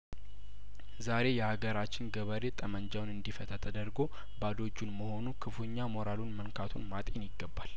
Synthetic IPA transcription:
zaɾe̞jɛhaɡəɾat͡ʃːɪnɡəβəɾe̞t̪ʼəmənd͡ʒawnɨnd̪ifət̪ʰət̪ʰəd̪əɾɡo̞ | bad̪o̞d͡ʒːunməho̞nukʰɨfuɲːamo̞ɾalunmənkʰat̪ʰunmat̪ʼenjɪɡːəbːal

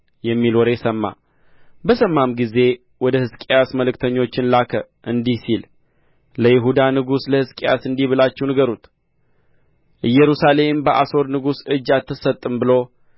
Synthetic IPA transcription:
jɛmːilwɔɾɛsəmːa̰ | bəsəmːamɡize̞ | wɔd̪əhɨskʼejasməlɨkt̪ʰəɲːo̞t͡ʃːɪnlakʰə | ʔɨnd̪ihsil | ləjɪɦud̪anɨɡusləhɨskʼeja̰sɨnd̪iβɨlat͡ʃːɛwnɨɡəɾut̪ | ʔɨjɛɾusale̞mbəʔaso̞ɾnɨɡusɨd͡ʒːat̪ːɨsət̪ʼːɨmbɨlo̞

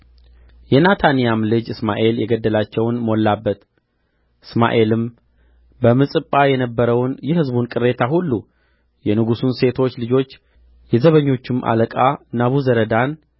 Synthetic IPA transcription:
jɛnat̪ʰanijamlɨd͡ʒɨsmaʔe̞ljɛɡəd̪ːəlat͡ʃːɛwnmolːabːət̪ | ʔɨsma̰ʔe̞lɨm | bəmɨsʼɨpʼːajɛnəbːəɾəwnjɛhɨzbunkʼɨɾe̞t̪ʰahulːu | jɛnɨɡusunse̞t̪ʰo̞t͡ʃːlɨd͡ʒo̞t͡ʃː | jɛzəβəɲːo̞t͡ʃːɪmʔa̰ləkʼanaβuzəɾəd̪an

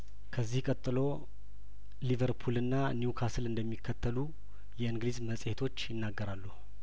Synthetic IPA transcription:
kʰəzːihkʼət̪ʼːɨlo̞ | livəɾpʰulɨnːanjukʰasɨlɨnd̪əmːikʰːət̪ʰːəlu | jɛɨŋɡlizməsʼhet̪ʰo̞t͡ʃːjɪnːaɡːəɾalːuhu

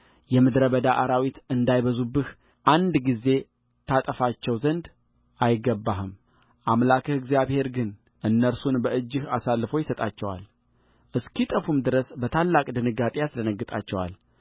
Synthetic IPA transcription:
jɛmɨd̪ɾəbəd̪aʔaɾawit̪ɨnd̪ajβəzubɨh | ʔand̪ɡize̞ | t̪ʰat̪ʼəfat͡ʃːɛwzənd̪ | ʔajɪɡːəbːaɦɨm | ʔamlakʰɨhɨɡzjaβhe̞ɾɡɨn | ʔɨnːəɾsunbəʔɨd͡ʒːɨhasalːɨfo̞jɪsət̪ʼat͡ʃːɛwa̰l | ʔɨskit̪ʼəfumd̪ɨɾəsbət̪ʰalːakʼd̪ɨnɨɡat̪ʼejaslənəɡːɨt̪ʼa̰t͡ʃːɛwa̰l

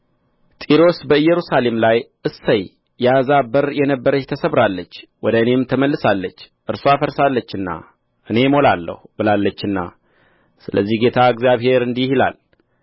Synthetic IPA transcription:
t̪ʼiɾo̞sbəɨjːɛɾusale̞mlajʔɨsːəjː | azabəɾjɛnəbːəɾəjt̪ʰəsəβɾalːət͡ʃːwɔd̪əɨne̞mt̪ʰəməlːɨsalːət͡ʃː | ʔɨɾsoafəɾsalːət͡ʃːɨnːa̰ | ʔɨne̞mo̞lalːə̰hubɨlalːət͡ʃːɨnːa̰ | sɨləzːihɡe̞t̪ʰaɨɡzjaβhe̞ɾɨnd̪ihila̰l

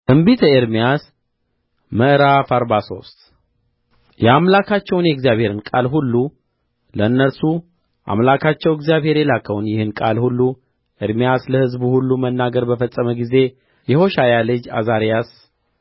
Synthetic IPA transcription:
ʔɨmbit̪ʰəeɾmijas | məʔɨɾafaɾbaso̞st̪ʼ | jɛamlakʰat͡ʃːɛwnjɛɡzjaβhe̞ɾɨnkʼalɦulːu | ləɨnːəɾsu | ʔa̰mlakʰat͡ʃːɛwɛɡzjaβhe̞ɾjɛlakʰːəwnjɪhɨnkʼalhulːu | ʔeɾmijasləhɨzbuhulːumənːaɡəɾbəfəsʼːəməɡize̞ | jɛho̞ʃajalɨd͡ʒa̰zaɾijas

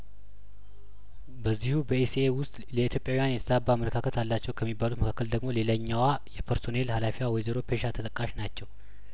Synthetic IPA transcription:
bəzːihubəisewʊst̪ʼləit̪ʰjo̞pʼjawijanjɛt̪ʰəsʼabːamələkʰakʰət̪ʰalːat͡ʃːɛwkʰəmːibːalut̪məkʰakːəld̪əɡmo̞le̞ləɲːawajɛpʰəɾso̞nelhalafiwawɔjzeɾo̞pʰe̞ʃat̪ʰət̪əkʼːaʃnat͡ʃːɛw

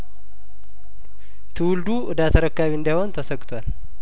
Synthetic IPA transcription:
t̪ʰɨwʊld̪uʔɨd̪at̪ʰəɾəkːaβiɨnd̪ajhont̪ʰəsəɡʼt̪ʰwal

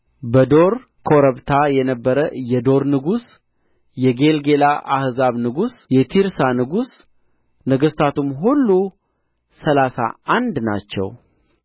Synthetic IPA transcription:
bəd̪o̞ɾ | kʰo̞ɾəβt̪ʰajɛnəbːəɾəjɛd̪o̞ɾnɨɡus | jɛɡe̞lɡe̞laʔahzaβnɨɡusjɛt̪ʰiɾsanɨɡus | nəɡəst̪ʰat̪ʰumɦulːu | səlasa̰and̪na̰t͡ʃːɛ̰w

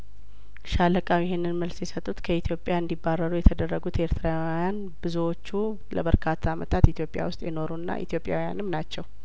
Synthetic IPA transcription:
ʃaləkʼawjɪɦenːɨnməlsjɛsət̪ʼːut̪kʰəit̪ʰjo̞pʼːjaɨnd̪ibːarːəɾujɛt̪ʰəd̪ərːəɡut̪e̞ɾt̪ʰɨɾawjan | bɨzuwo̞t͡ʃːu | ləbəɾkʰat̪ʰːaːmət̪ʰat̪it̪ʰjo̞pʼːja̰wʊst̪ʼjɛno̞ɾuɨnːa̰ʔḭt̪ʰjo̞pʼja̰wija̰nɨmnat͡ʃːɛw

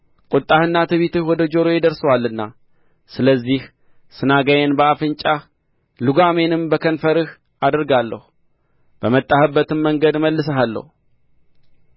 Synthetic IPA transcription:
kʼʊt̪ʼːahɨnːat̪ʰɨβit̪ɨhwɔd̪əd͡ʒo̞ɾojɛd̪əɾsəwalːɨnːa | sɨləzːih | sɨnaɡajɛnbəafɨnt͡ʃʼa | luɡame̞nɨmbəkʰənfəɾɨh | ad̪əɾɡalːə̰hu | b̥əmət̪ʼːahɨbːət̪ɨmməŋɡəd̪məlːɨsəɦalːə̰hu

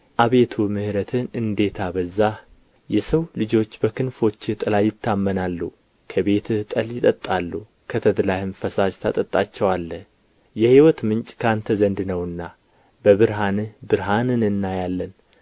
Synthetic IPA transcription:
ʔaβe̞t̪ʰumɨhɾət̪ʰɨnɨnd̪e̞t̪ʰabəzːa | jɛsəwlɨd͡ʒo̞t͡ʃːbəkʰɨnfo̞t͡ʃːt̪ʼɨlajːɪt̪ʰːamːənalːu | kʰəβe̞t̪t̪ʼəljɪt̪ʼət̪ʼːalːu | kʰət̪ʰəd̪lahɨmfəsad͡ʒt̪ʰat̪ʼət̪ʼːat͡ʃːɛwalːə | jɛhiwɔt̪mɨnt͡ʃʼkʰant̪ʰəzənd̪nəwɨnːa | bəβɨɾɦanɨbɨɾɦanɨnɨnːajalːən

